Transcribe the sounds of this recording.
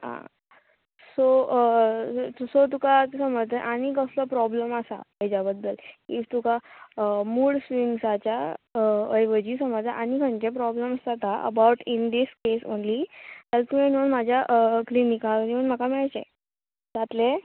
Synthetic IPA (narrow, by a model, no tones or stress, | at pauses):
ɦã̰ | so | usot̪̬ukat̪səməɾt̪əʔañikəsləpɾɔbləmasa̰əjd͡ʑabəd̪ːəlit̪uka | muːɭsʋiŋsat͡ɕja | əjʋəd͡ʑiːsəməɾt̪aʔañikʰə̃ɳt͡ɕep̬ɾɔbləməsat̪aʔə̰bawʈind̪iskeso̰nlit̪alt̪umenonmad͡ʑʱjaʔklinikakəɾiəɳm̤əkamɛɭat͡ɕe | d͡zat̪le